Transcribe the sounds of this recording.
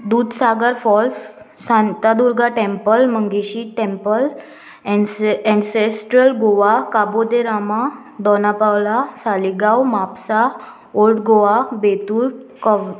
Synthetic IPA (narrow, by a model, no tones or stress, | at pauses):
d̪uːd̪saɡəɾfɔlsː | ãnt̪ad̪uɾɡʱaʈempəlməŋɡeɕiʈempəl | ɛ̃nsesʈɾəlɡoʋakabod̪eɾama | d̪ɔnapawlasaliɡawmapsa | olʈɡoʋabet̪uːɾkɔ